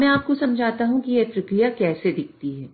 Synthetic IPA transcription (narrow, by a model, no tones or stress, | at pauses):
mɛ̃aːp̚kosɐmd͡ʒʱaːt̪aɦũkijep̪ɾɐkɾijakɛːsed̪ɪk̚ʰt̪iɦɛː